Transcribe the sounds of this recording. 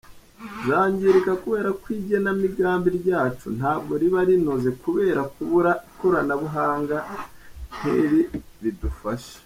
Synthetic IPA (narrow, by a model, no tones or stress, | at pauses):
zaːɲɟiɾikakuβe̞ːɾakwiːɟenamiɡaːmbiɾɟaːt͡ʃṵn̥haːbɡo̞ɾiβaɾinoze̞kuβe̞ːɾakuβuɾakuɾanaβuɦaːŋɡa | n̥heɾi | ɾidufaʃe̥